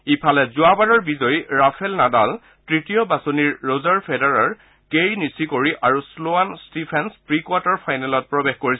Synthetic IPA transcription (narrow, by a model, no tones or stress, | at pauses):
ipʰalɛzʊabanɔɹbizɔjɹapʰɛlnadal | tɹitijɔbasoniɹːozaɹpʰedɛɹaɹ | keɹinisikoɹiʔaɹusloanstipʰɛnspɹikwatɔɹpʰajnɛlɔt̚pɹɔbexkoɹis